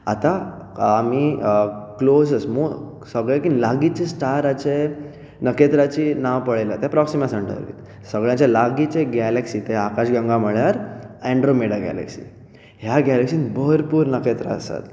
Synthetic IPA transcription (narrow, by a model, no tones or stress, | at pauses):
a̰t̪aː | mi | klozəsmo | səɡɭekilaɡit͡ɕesʈaɾat͡ɕe | nəket̪ɾat͡ɕinaʋpəɭejlat̪apɾɔksimasəɳɖə̰ɾḭt̪ | səɡɭjãt͡ɕalaɡit͡ɕeɡɛleksiːt̪eakaɕɡãŋɡaməɭjaɾɛ̃ɳɖɾomeɽaɡɛ̰lḛksḭ | ɦjaɡɛleksiːnbəɾpuːɾnəket̪ɾa̰ə̰sa̰t̪